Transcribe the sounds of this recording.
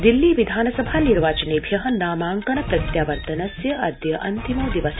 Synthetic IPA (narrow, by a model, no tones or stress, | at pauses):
d̪ilːiːʋid̪ʱaːnɐsɐbʱaːniɾʋaːt͡ʃɐneːbʱjɐɦɐnaːmaːŋkɐɳɐpɾɐt̪jaːʋɐɾt̪ɐnɐsjɐʔɐd̪jɐʔɐ̰nt̪imɐd̪iʋɐs